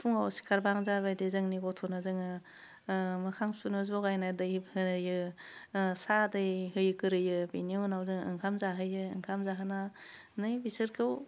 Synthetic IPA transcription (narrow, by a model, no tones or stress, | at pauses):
pʰuŋawsi̥kʰaɾbaŋzaβajdezɯŋniɡɔtʰɔnazɯŋɯ | mɯkʰaŋsunɯzɔɡajnajdɯjbhɯnɯjɯ | sadɯjɦɯjkɯɾɯjɯbiniɯnawzɯŋɯ̰ŋkʰamzaɦɯjɯɯŋkʰamzaɦana | nɯjbisɯɾkʰɯw